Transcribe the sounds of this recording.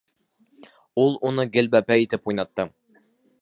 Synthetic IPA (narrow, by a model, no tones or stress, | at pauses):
ulˠunɤɡɘ̆lbæpæit̪ɘpujnɑt̪ːɤ